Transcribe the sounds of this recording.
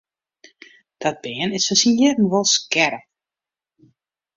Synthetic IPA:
d̥ɔt̚b̥ɪənɪsfɔsinjɪdn̩ʋolˠskɛɾə

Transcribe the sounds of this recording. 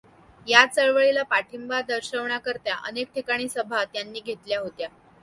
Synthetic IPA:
jat͡səɭʋəɭilapaʈʰimbad̪əɾɕəʋɳakəɾt̪jaʔə̰nek̚ʈʰikaɽ̃iːsəbʱat̪janːiːɡʱet̪ljaɦot̪ja

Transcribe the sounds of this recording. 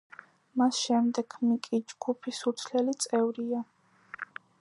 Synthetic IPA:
masʃɛmd̪ɛɡmikʼid͡ʒɡ̥upʰisuɾt̪sʰlɛlit̪sʼɛvɾia

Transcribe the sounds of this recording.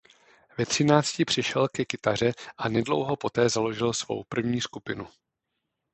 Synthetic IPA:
vɛt̪r̝̥ɪnaːt͡scɪpr̝̥ɪʃɛlkɛkɪt̪ar̝ɛʔanɛdlo̞̰wɦo̞po̞t̪ɛːzalo̞ʒɪlsvo̞̰wpr̩vɲiːskupɪnu

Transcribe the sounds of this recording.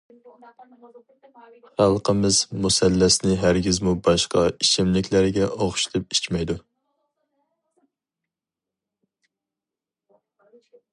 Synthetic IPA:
χælˠqəmɪzmusɛlːæsnɪɦæɾɡʲizmubɑʃqɑit͡ʃʰɪmlɪkʲlæɾɡʲɛʔoχʃt̪ʰɨp̚it͡ʃmɛjd̪u

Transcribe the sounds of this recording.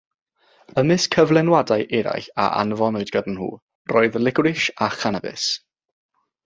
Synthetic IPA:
əmɪskʰəvlˠɛnwadajʔɛɾa̰jɬa̰ʔa̰nvɔnʊɨdɡ̥ədn̩hṵː | rɔːɨðəlˠɪɡrɪʃaχanabɪ̰s

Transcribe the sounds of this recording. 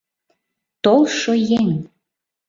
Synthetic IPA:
t̪olˠʃojeŋ

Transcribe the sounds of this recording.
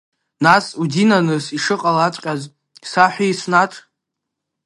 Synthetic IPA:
nasudinanɨsiʂɨqʼalat͡sʷʼqʲʼaz | saħʷijsnaʈ͡ʂʼ

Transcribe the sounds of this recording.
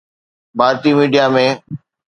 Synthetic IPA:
bʱaːɾt̪imiːɖijamẽː

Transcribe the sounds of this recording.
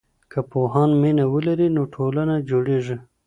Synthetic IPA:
kəpoɦɑnminawəlaɾinoʈʰolanad͡ʒoɽeʐi

